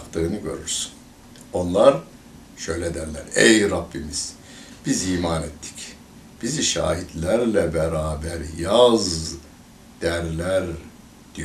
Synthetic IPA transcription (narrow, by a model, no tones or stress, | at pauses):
kt̪ɯːnɯɟø̞̰ɾyɾsy̥n | o̞nlˠaɾ | ʃø̞jlʲɛd̪æɾlʲæ̰ɾɛjɾabːimiz̥ | b̥iziːmaːnet̪ʰːi̥c | b̥iziʃa̰ːɦit̪lʲæɾlʲɛbɛɾaːbæɾjaz | d̪̥æɾlʲæɾ | d̪̥ij